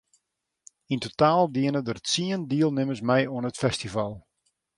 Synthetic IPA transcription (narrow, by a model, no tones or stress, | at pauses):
intotaːlˠdiənədərtsiəndiəlˠnɪməsmɛjuənətfɛstivalˠ